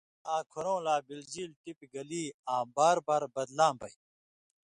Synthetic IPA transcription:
aːkʰuɾõːlaːbilziːlt̪ipiɡɐliːaːbaːɾbaːɾbɐd̪laːmbɐj

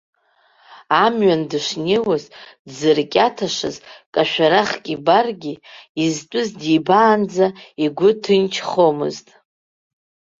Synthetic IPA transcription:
amɥandɨʂnewazdzɨrkʲʼatʰaʂɨ̰zkʼaʃᶣaɾaχkʲʼibarɡʲiiztʷʼʊzdijbaːnd͡zaiɡʷʊtʰɨnt͡ʃʰχo̞mɨ̰ztʼ

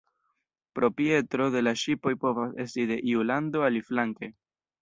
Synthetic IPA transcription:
pɾo̞pie̞tɾo̞de̞laʃipo̞jpo̞vase̞stide̞ʔiulando̞aliflaŋke̞

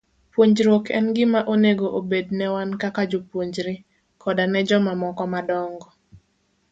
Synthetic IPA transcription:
pwoɲd͡ʒɾwokʰɛ̰nɡɪmaʔoneɡoʔobednɛwankakad͡ʒopwoɲd͡ʒɾɪ | kʰɔdanɛd͡ʒɔmamɔkɔmadɔŋɡɔ

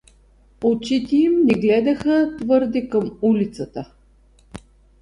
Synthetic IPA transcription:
ot͡ʃit̪ɛimnɛɡlɛd̪ɐxət̪vɤɾd̪ɛkəmulʲit̪sət̪ə

